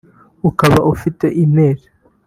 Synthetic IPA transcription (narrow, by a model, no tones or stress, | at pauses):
ukaβaʔufite̞ʔineːɾe̥